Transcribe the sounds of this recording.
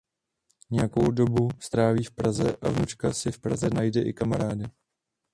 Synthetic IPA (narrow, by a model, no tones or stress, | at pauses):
ɲɛjakowdo̞bust̪ɾaːviːfpɾazɛʔavnut͡ʃkasɪfpɾa̰zɛnajdɛʔɪkamaɾaːdɪ